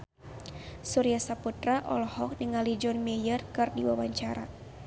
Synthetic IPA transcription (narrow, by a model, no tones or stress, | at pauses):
suɾijasaput̪ɾaʔɔ̰lɔhɔk̚niŋalid͡ʒɔnmejərkɨrdiwawaɲt͡ʃaɾa̰